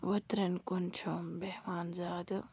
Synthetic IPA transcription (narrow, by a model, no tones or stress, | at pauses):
ʋɐt̪ɾɐnkunt͡ʃʰombeɦʋaːnzaːd̪